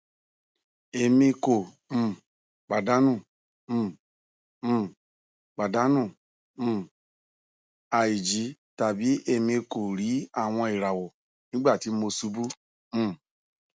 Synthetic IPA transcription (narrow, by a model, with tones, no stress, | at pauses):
e˨mĩ˧ko˨ | m̩̃˨ | k͡pa˨da˨˦nũ˦˨˦ | k͡pa˨da˨˦nũ˦˨˦ | a˨ji˨d͡ʒi˨˦ta˨bi˨˦e˧mĩ˧ko˨ɾi˨˦a˦˨w̃ɔ̃˧e˨ɾa˨wo˨ | nĩ˦ɡ͡ba˦˨ti˨˦m̩˦o˧su˨˦bu˦ | m̩̃˦˨